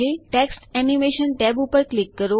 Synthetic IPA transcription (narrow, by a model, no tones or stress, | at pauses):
eʈɛksʈɛnimeʃənʈɛbupəɾklikːəɾo